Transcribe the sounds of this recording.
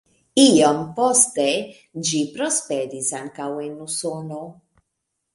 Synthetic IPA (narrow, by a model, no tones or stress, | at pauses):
iompost̪e | d͡ʒipɾospeɾisaŋkawenusono